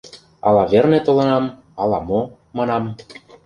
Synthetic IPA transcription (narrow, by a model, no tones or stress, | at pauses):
ɑ̰lɑvernet̪olɤ̆nɑm | ɑlɑmo | mɑnɑm